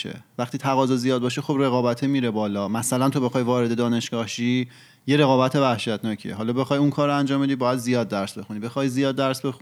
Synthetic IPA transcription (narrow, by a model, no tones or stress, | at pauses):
ḛvæχt̪iːt̪ʰæɣɒːzɒzijɒːd̪̚bɒːʃexobre̞ɣɒːbæt̪ʰemiːɾebɒːlɒːmæsælænt̪ʰo̞be̞xɒːjvɒːɾe̞d̪ed̪ɒːne̞ʃɡ̥ɒːhʃiː | je̞ɾe̞ɣɒːbæt̪ʰe̞væhʃæt̪ʰnɒːcʰḭeɦɒːlɒːbe̞xɒjuŋkʰɒːɾoænd͡ʒɒːmbe̞d̪ibɒːjæd̪zijɒːd̪̚ːæɾsbe̞xunibe̞xɒːjzijɒːd̪̚ːæɾsbe̞xu